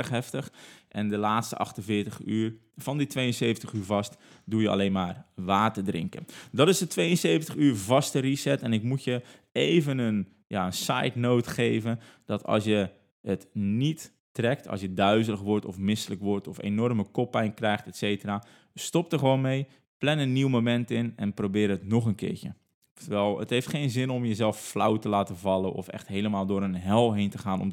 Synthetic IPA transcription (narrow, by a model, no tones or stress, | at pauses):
əxɦɛftəxʔɛndəlaːtstə̰ʔɑ̰xtənvɪːtəχyːər | fɔnditʋejənseːvəntəxyːɹvɑstdujəa̰leːnmaːrʋaːtədrɪ̰ŋkə̰ndɔtɪsdətʰʋejənseːvəntəxyːrvɑstərisɛtɛnɪkmutjəeːvənən | jaənsa̰jtnoːtxeːvənd̥ɔtɑ̰lˠsjə | ətnitː | rɛk̚tʰɔ̰lˠsjədœɥzələxʋɔrtɔfmɪsələkʋɔrtɔfḛnɔrməkɔpːɛjnkrɛjxtɛtseːtəra | stɔp̚təxəʋoːnmej | plɛnənːiwmomɛntɪnɛnproːbɪːɾəətnɔχənkɪ̰ːtjə | təʋɛlˠə̰tɦejftxeːnzɪnɔmjəzɛlˠfflawtəlaːtəvɑlˠənʔɔ̰fɛ̰xtɦeːləmaːlˠdʊːɾənɦɛlˠɦejntəχaːnɔ̰m